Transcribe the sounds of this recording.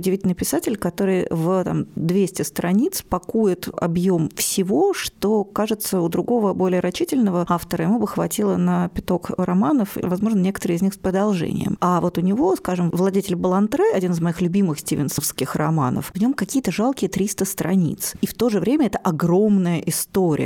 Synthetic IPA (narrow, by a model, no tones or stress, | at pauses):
ʊdʲɪvʲitʲɪlʲnɨjpʲɪsatʲɪlʲkɐt̪o̞ɾɨjvət̪a̰md̪vʲesʲtʲɪst̪ɾɐnʲit̪spɐkujɪt̪ɐ̰bjomfsʲɪvo̞ʂt̪o̞kaʐɨt̪səʊd̪ɾʊɡo̞vəbo̞lʲɪjəɾɐt͡ɕːitʲɪlʲnəvəaft̪əɾəjɪmubəxvɐtʲilˠənəpʲɪt̪o̞krɐmanəfvɐzmo̞ʐnənʲekə̥t̪əɾɨjɪzʲnʲixspɾəd̪ɐlˠʐɛ̰nʲɪ̰jə̰mavo̞t̪ʊnʲɪvo̞skaʐɨmvlˠɐdʲetʲɪlʲbəlˠɐnt̪ɾɛɐdʲinɨzmɐixlʲʊbʲimɨxsʲtʲivʲɪ̰nsəfskʲɪxrɐma̰nə̰fvnʲo̞mkɐkʲijət̪əʐalˠkʲɪjət̪ɾʲist̪əst̪ɾɐnʲḭt̪sift̪o̞ʐɨvɾʲemʲəɛt̪əʔɐɡromnəjəʔɪst̪oɾʲɪ̰ə